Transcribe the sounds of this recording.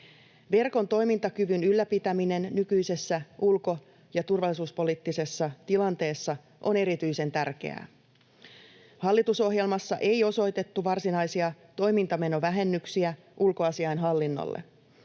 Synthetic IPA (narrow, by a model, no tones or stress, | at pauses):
ʋe̞rkont̪o̞jmint̪ɑkyʋynylːæpit̪æmine̞nːykyjse̞sːæʔulko̞ | jɑt̪urʋɑlːˑisuːspo̞liːt̪ːise̞sːɑt̪ilɑnt̪e̞ːsːɑ | ʔo̞ne̞ɾit̪yjse̞nt̪ærk̟e̞̰æ̰ | hɑlːit̪uso̞ɦje̞lmɑsːɑʔe̞jo̞so̞jt̪e̞t̪ːuʋɑrsinɑjsiɑ | t̪o̞jmint̪ɑme̞no̞ʋæɦe̞nːyksiæ | ʔulko̞ɑsiɑjnɦɑlːinːo̰lːḛ